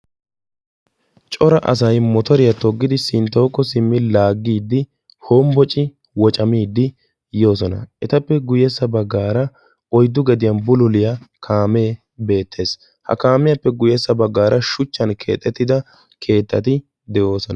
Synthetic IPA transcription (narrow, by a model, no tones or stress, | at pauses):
t͡ʃʼɔɾɐʔɐ̰s̬ɐjmɔt̪ɔɾɪjɐt̪ɔɡːɪd̪ɪsɪnt̪ːɐwɔkːɔsɪmːɪlaːɡːiːd̪ːɪ | hoːmbɔt͡ʃʼɪ | wɔt͡ʃʼɐmiːd̪ːɪ | jo̞ːs̬ɔnɐ̰ʔɛt̪ɐpːɛɡʊjɛsːɐbɐɡːaːɾɐ | ɔjd̪ːʊɡɛd̪ɪjɐnbʊlʊlɪjɐkʰaːmeː | be̞ːt̪ːe̞ːs | hɐ̰kaːmɪjɐpːɛɡʊjɛsːɐbɐɡːaːɾʔɐʃʊt͡ʃːɐnkʰe̞̰ːt̪ʼːɛt̪ːɪd̪ɐ | kʰe̞ːt̪ːɐt̪ɪ | d̪ɛjo̞ːsɔnɐ